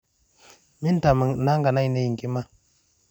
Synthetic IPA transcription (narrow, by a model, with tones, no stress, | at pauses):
mi˦n˦ta˨ma˨na˦ŋɡa˨na˦jne˦ji˨ŋ˨ki˦ma˦